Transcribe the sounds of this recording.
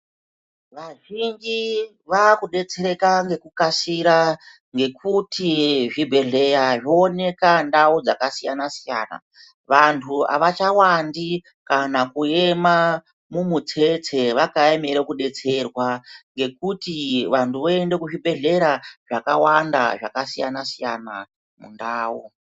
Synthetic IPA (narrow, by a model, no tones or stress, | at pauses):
ʋaʒind͡ʒi | ʋakuɗe̞t͡se̞ɾe̞kaŋɡe̞kukasiɾa | ŋɡe̞kʰutʰiʐibʱe̞ɮe̞jaʐoːne̞kandaud͡zakasijanasija̰ːna̰ | ʋantʰua̰ʋat͡ʃawandi | kanakue̞ma | mumut͡se̞t͡se̞ʋakaemeɾekuɗe̞t͡se̞rwaŋɡe̞kutiʋantʰuʋoende̞kuʐibʱe̞ɮe̞ɾaʐakawanda̰ʐakasijanasija̰na̰ | mṵndaːwu